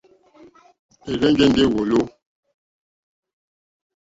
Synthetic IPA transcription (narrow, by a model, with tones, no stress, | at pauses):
e˨ɣɛ˦ŋɡe˦ŋ˦ɡe˦˨wo˨lo˦